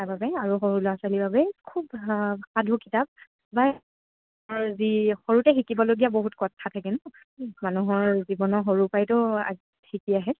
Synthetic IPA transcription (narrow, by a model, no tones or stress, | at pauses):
ababɛaɹuxoɹulɔasalibabɛkʰubxadʱukitap̚ | ba | ɔɹzixoɹutɛxikibɔloɡijaboɦutkɔtʰːatʰakɛnʊ | manuɦɔɹzibɔnɔxoɹupajtʊa̰ | xikiaɦɛ